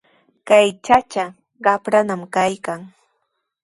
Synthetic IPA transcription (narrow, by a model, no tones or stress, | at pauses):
kajt͡ʃat͡ʃa | ɢɑpɾanamkajkaŋ